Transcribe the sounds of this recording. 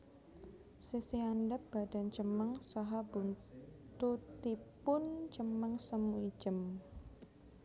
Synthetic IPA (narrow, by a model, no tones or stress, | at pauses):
sisiandap̚b̥adant͡ʃəməŋsaɦabunt̪ut̪ipʊnt͡ʃəməŋsəmuid͡ʒəm